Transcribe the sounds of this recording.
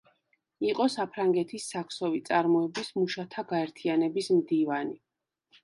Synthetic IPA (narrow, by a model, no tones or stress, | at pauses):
iqʼɔsapʰɾaŋɡɛt̪ʰisːakʰsɔvit̪sʼaɾmɔɛbismuʃat̪ʰaɡaɛɾt̪ʰianɛbismd̪ivani